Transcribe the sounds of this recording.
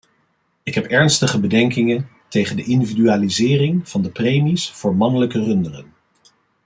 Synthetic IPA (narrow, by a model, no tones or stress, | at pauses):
ɪkɦɛpɛɹnstəχəbədɛŋkɪŋən | tejχəndəʔɪndividyaːlizɪːrɪŋv̥ɑndəprejmisfʊːɹmɑnələkərɵndərə̰n